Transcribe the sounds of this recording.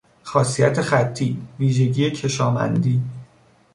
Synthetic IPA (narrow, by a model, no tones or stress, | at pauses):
xɒːsijæt̪ʰe̞xæt̪ʰːiːviːʒe̞ɟiːje̞cʰe̞ʃɒːmæ̰nd̪iː